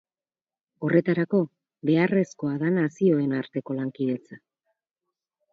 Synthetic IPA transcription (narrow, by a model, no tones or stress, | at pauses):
o̞re̞t̪aɾako̞ | βe̞are̞sko̞aðanasio̞e̞naɾt̪e̞ko̞laŋkiðe̞t͡sa